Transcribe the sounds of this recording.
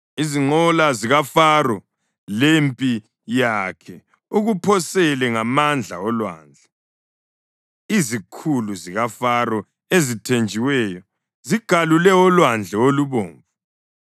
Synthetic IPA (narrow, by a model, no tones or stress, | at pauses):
iziŋ͡ǃɔlaziɣafarɔ | lempʼi | jakʰɛ | uɣupʰɔsɛlɛŋamand͡ɮʱa̰ɔlwa̰ːnd͡ɮʱɛ | izikʰuluziɣafarɔ | ezitʰend͡ʒʱiwɛjɔ | ziɡ̥ʱalulɛɔlwand͡ɮʱɛoluβoːɱvu